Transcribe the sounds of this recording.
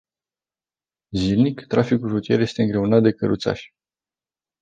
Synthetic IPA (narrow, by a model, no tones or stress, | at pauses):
zilnikt̪ɾafikulʒut̪ieɾje̞st̪e̞ɨŋɡɾe̞unat̪̚d̪e̞kəɾṵt̪sa̰ʃʲ